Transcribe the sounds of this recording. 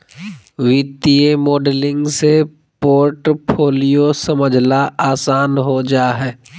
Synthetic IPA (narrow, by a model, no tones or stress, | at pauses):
ʋɪt̪iemɔːɖlɪ̃ŋɡse | poːɾʈpʰoːlijosəməd͡ʒʱnaaːsaːnɦod͡ʒaːɦɛː